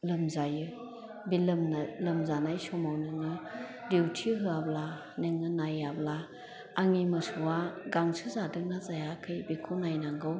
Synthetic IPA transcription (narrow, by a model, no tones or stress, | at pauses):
lɯmzajɯ | bilɯmnalɯmzanajsɔmawnɯŋɯdewtʰiɦɯabla | nɯŋɯnajablaː | ŋimɯsuwaɡaŋsɯzadɯŋnazajakʰɯjbikʰunajnaŋɡɯw